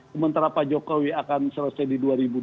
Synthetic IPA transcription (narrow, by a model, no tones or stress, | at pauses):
kəmənt̪aɾapad͡ʒokowiakansələsajdiduaɾibu